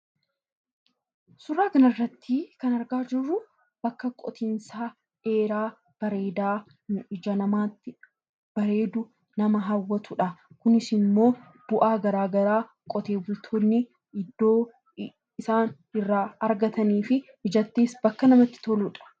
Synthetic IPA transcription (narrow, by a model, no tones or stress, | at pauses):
sʊɾaːkɐnɐrːɐt̪ːiːkɐnɐɾɡaːd͡ʒɪrːʊ | b̥ɐkːɐkʼɔt̪insaː | e̞ːɾaː | b̥ɐɾeːd̪aː | nʊɪd͡ʒɐnɐmaːt̪ːɪ | b̥ɐɾe̞ːd̪ʊ | nɐmɐɦɐwːɐt̪ʊᶑɐkʊnɪsɪnmːo̞ː | b̥ʊʔaːɡɐɾaːɡɐɾaː | kʼɔt̪e̞ːbʊlt̪ʰoːnːɪ | ɪd̪ːoː | ɪsaːn | ɪrːaːɐɾɡɐt̪ɐniːfɪhɪd͡ʒɐt̪ːeːsbɐkːɐnɐmɐt̪ːɪ̥t̪ɔluːᶑɐ̥